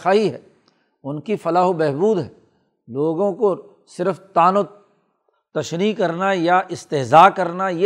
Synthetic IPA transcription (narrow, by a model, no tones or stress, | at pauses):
aːɦiɦɛ̰ː | ʊnkifɐlaːɦobɛɦbuːd̪ɦɛː | loːɡõko | sɪɾəft̪aːno | t̪ɐʃnikɐɾnajaʔɪst̪ɪɦzaːkɐɾnaje